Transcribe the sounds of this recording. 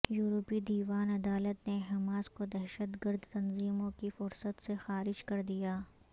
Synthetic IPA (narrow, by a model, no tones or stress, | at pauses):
juːɾopid̪iːʋaːnɐd̪aːlət̪neɦɛmaːskod̪ɛɦʃət̪ɡəɾd̪t̪ɐnziːmõkifʊɾsət̪sexaːɾɪd͡ʒkɐɾd̪ijaː